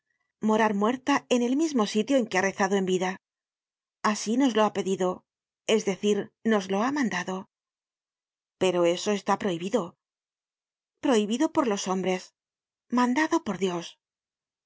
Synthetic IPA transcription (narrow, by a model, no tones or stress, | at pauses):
mo̞ɾaɾmwe̞ɾt̪ae̞ne̞lmizmo̞sit̪joe̞ŋkeare̞θaðo̞e̞mbiða | asino̞zloape̞ðiðo̞ | e̞zðe̞θiɾno̞zlo̞amãnd̪aðo̞ | pe̞ɾo̞e̞so̞e̞st̪apɾo̞iβiðo̞ | pɾo̞iβiðo̞po̞ɾlo̞so̞mbɾe̞s | mãnd̪aðo̞poɾðjo̞s